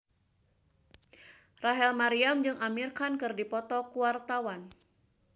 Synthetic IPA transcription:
raɦɛlmaɾiamd͡ʒɨŋʔamirkankɨrdipɔt̪ɔkuwart̪awan

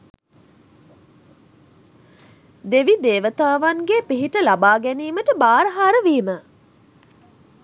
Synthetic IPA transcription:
d̪eʋid̪eːʋət̪aːʋaŋɡeːpiɦiʈəlabaːɡæniːməʈəbaːɾəɦaːɾəʋiːmə

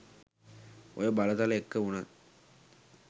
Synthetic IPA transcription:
ojəbalət̪aləekːəuna

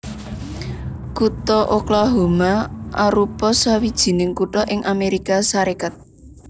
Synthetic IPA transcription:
kut̪ɔʔoklɔɦo̤maʔaɾupɔsawid̥ʒ̥i̤nɪŋkuʈɔʔɪŋʔameɾikasaɾekat̪̚

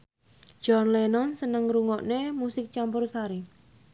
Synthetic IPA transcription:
d͡ʒ̥ɔnlenɔnsənəŋɾuŋɔʔnemusɪk̚t͡ʃampʊrsaɾi

